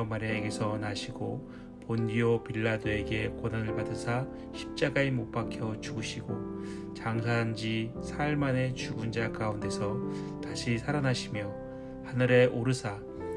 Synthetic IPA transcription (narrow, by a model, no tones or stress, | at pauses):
ʌmaɾeɡe̞sʰʌnaɕʰiɡo | pondiopiɭːadoe̞ɡe̞kwʌnanɯɭpadɯsʰa | ɕʰi̥p̚t͡ɕ͈aɡaemop͈akʰjʌt͡ɕuɡɯɕʰiɡo | t͡ɕaŋsʰand͡ʑisʰaɭmane̞t͡ɕuɡund͡ʑakaunde̞sʰʌ | taɕʰisʰaɾanaɕʰimjʌ | hanɯɾe̞ʔoɾɯsʰa